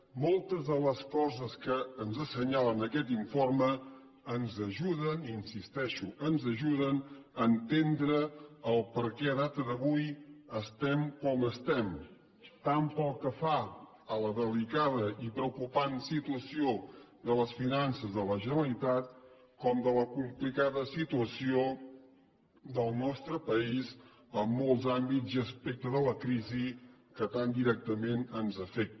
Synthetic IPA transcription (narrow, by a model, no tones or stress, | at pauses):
mɔlˠt̪əzðələskɔzəskəːnzəsəɲalənəkɛt̪iɱformə | ənzəʒuðəninsist̪ɛʃuʔənzəʒuðənəːnt̪end̪ɾəəlˠpəɾkɛəðat̪əðəβujəst̪ɛmkɔməst̪ɛm | t̪ampɔlˠkːəfa | ələðəlikaðəʔipɾəukupansit̪uəsio | d̪ələsfinansəzðələʒənəlit̪at̪ | kɔmd̪ələkumplikaðəsit̪uəsio | d̪əlˠnɔst̪ɾəpəiz | əmːɔlˠzambizəspɛk̚t̪əðələkɾizi | kət̪and̪iɾɛk̚t̪əmenənzəfɛk̚t̪